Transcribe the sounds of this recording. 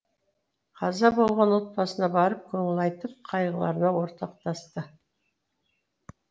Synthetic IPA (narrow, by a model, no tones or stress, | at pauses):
qʰɑzɑbo̞lˠʁɑnwo̞t̪̚pɑsənɑbɑɾəp̚kʲʰɵŋɪlɑjt̪əp̚qʰɑjʁəlˠɑ̰ɾənɑwo̞ɾt̪ɑq̚t̪ɑst̪ə